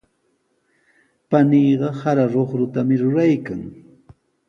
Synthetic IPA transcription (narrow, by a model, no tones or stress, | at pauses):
paniːɢɑhaɾaɾoχɾʊt̪amɪɾʊɾajkaŋ